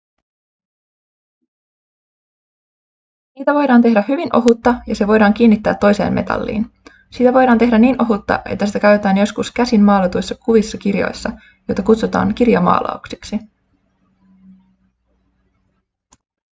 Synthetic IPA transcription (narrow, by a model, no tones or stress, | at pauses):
niːt̪æʋo̞jɾɑːnt̪edæɦyʋinʔo̞ɦut̪ːɑjɑse̞ʋo̞jɾɑːŋk̟iːnːit̪ːæ̰ːt̪ːo̞jse̞̰ːmme̞̰t̪ɑ̰lːḭːn | sit̪æʋo̞jdɑːnt̪e̞ɦdæniːnʔo̞ɦut̪ːɑ̰ʔe̞̰t̪ːæsit̪ækæyet̪æːnjo̞skuskæsinːɑːlet̪ujsːɑkuʋisːɑkirjo̞̰jsːɑ | jojt̪ɑkut̪sut̪ɑ̰ːŋkirjɑmɑ̰ːlɑ̰oksi̥ksi